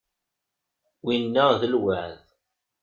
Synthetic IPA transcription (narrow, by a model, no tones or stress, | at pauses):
winːəðəlwəʕð